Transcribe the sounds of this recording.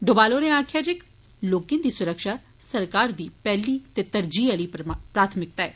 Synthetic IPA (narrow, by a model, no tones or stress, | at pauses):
ɖobaːloːneaːkʰjaːd͡ʒek | loːkĩnd̪iːsʊɾəkʃaː | səɾkaːɾd̪iːpɛːliːt̪eːt̪əɾd͡ʒiːaliːpɾaːt̪ʰmɪk̚t̪aɛː